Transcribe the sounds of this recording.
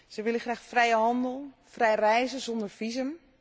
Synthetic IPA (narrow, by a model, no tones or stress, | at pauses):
səʋɪlˠəxraːxfrɛjəɦɑndəlˠ | frɛjrɛjzəzɔndərfizəm